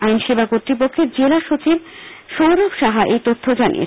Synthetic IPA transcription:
ajnʃebakot̪ɾipokʰːeɾd͡ʑelaʃot͡ɕibʃowɾobʃaɦaʔejt̪ot̪ʰːod͡ʑanḭḛ

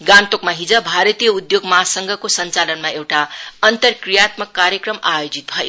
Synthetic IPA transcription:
ɡãnt̪okmaɦid͡zʌbʱaɾʌt̪ijʌud̪joɡmʌɦasʌŋɡʱʌkosʌnt͡salʌnmaewʈaʌnt̪ʌrkrijat̪mʌkːaɾjʌkrʌmajod͡zit̪̚bʱʌjo

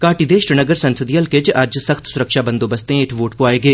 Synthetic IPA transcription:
kaːʈid̪eːʃɾɪnəɡəɾsɐ̃nsəd̪iɐlked͡ʒaːd͡ʒsɐxt̪sʊɾəkʃabɐ̃nd̪oːbɐst̪ẽɪʈʰʋoːʈpoaːeɡɐeː

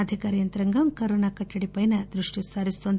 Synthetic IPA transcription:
ɐd̪ʱikaːɾijɐnt̪ɾɐŋɡɐmkɐɾoːnaːkɐʈːɐɽipɐjnɐd̪ɾuʂʈisaɾist̪ond̪

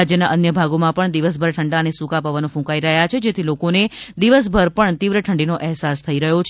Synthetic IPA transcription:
ad͡ʒjənaʔənjəbʱaɡomãpəɳd̪iʋəs̬bʱəɾʈʰəɳɖaənesũkapəʋanũfũkaiɾəɦjat͡ʃʰed͡ʒet̪ʰilokoned̪iʋəs̬bʱəɾpəɳt̪iʋɾəʈʰəɳɖinoʔɛɦsast̪ʰəiɾəɦjot͡ʃʰ

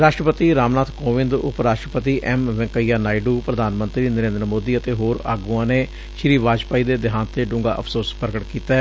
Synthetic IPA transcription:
ɾaːʃʈɾəpət̪iːɾaːmnaːt̪koːʋɪ̃nd̪ʊ̰pɾaːʃʈɾəpət̪iːʔɛːmʋɛ̃ŋkəijaːnaːiɖuːpɾəd̪ʱaːnmə̃nt̪ɾiːnəɾẽːnd̪əɾəmoːd̪iːət̪eːɦoːɾa̰ːɡuːãːneː | ʃɪɾiːʋaːd͡ʒpaːiːd̪eːd̪ɪɦãːnt̪eːɖʊ̃ːŋɡaːʔəpʰsoːspəɾəɡəʈkiːt̪ɛː

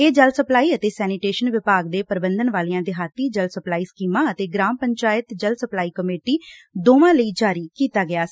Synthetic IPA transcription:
eːd͡ʒəlsəplaːiːət̪eːsɛːnɪʈeːʃənʋɪpaːɡd̪eːpəɾbənd̪ənʋaːliːãːd̪eɦaːt̪ːiːd͡ʒəlsəplaːiːskiːmãːət̪eːɡɾãːmpəɲt͡ʃaːɪt̪d͡ʒəlsəplaːiːkəmeːʈiːd̪oːʋãːləiːd͡ʒaːɾiːkiːt̪aːɡɪaːs

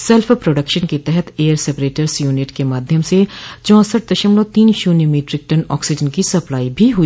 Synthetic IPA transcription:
sɛlfʰpɾoːɖəkʃənket̪ɛɦɛt̪ʰeːəɾsɛpɾeːʈəɾsjuːnɪʈkemaːd̪ʱjəmset͡ʃɔ̃ːsəʈ̚d̪ɐʃəmlot̪iːnʃuːnjumiːʈɾɪk̚ʈɐnɔ̰ːksɪd͡ʒənkisɐplaːibʱiɦui

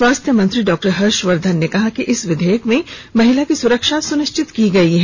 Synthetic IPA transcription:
ʋaːst̪ʰjəmɐ̃nt̪ɾiɖɔːk̚ʈəɾɦɐɾʃʋɐɾd̪ʱənːekɐɦakiʔɪsʋɪd̪ʱeːjəkmẽmɐɦɪlakisʊɾəkʃasʊnɪʃt͡ʃɪt̪kiɡɐiɦɛ

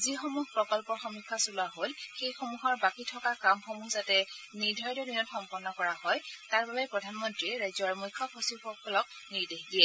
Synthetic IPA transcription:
zixomuɦpɹɔkɔlpɔxɔmikʰːasulaɦolxejxomuɦɔɹbakitʰɔkakamxomuzatɛniɹdʱɔjdɔdinɔtxɔmpɔnːɔkɔɹahɔjtaɹbabɛpɹɔdʱanmɔntɹiɹajzɔɹmujkʰːɔpʰɔsixɔkʰːɔlɔk̚ | niɹdexdijɛ

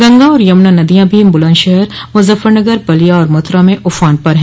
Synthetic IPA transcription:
ɡɐ̃ŋɡãɔːɾjɐmnãnɐd̪ijãbʱimʊlãːnʃɐɦɾmʊzəfːəɾnɐɡəɾbɐlijaɔːɾmʊt̪ɾamẽʔʊfaːnpɐɾɦɛ̃ː

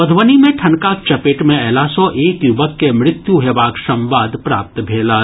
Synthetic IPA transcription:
ɐd̪ʱʋənimẽʈʰɐnkaːk̚t͡ʃɐpeːʈmẽɛːlasɔʔeːkjʊbəkːemɾɪt̪juɦeʋaːksɐ̃mʋaːd̪pɾa̰ːp̚t̪bʱeːla

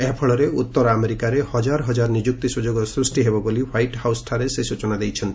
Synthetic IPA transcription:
epʰɔɭɔɾeut̪ːɔɾɔameɾikaɾehɔd͡ʒaɾɔɦɔd͡ʒaɾɔnid͡ʒuk̚t̪isud͡ʒoɡɔsɾusʈiɦebɔboliwajʈhawsʈʰaɾesesut͡ʃɔnad̪ejt͡ʃʰɔnt̪i̥

